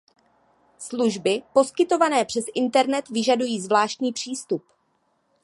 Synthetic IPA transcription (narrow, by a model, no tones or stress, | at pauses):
sluʒbɪpo̞skɪt̪o̞vanɛːpr̥ɛsʔɪnt̪ɛɾnɛt̪vɪʒadujiːzvlaːʃt̪ɲiːpr̥iːst̪up